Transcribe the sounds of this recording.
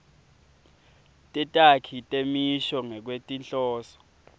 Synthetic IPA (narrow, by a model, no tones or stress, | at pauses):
tʼɛtʼakʰitʼemiʃɔŋɛk̬wetʼinɬʼɔːsɔ̥